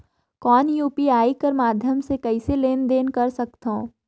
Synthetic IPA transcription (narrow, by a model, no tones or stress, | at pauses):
kɔːnjuːpiaːikəɾmaːd̪ʱjəmsekɐɪseleːnd̪eːnkɐɾsɐkt̪ɦõ̰ː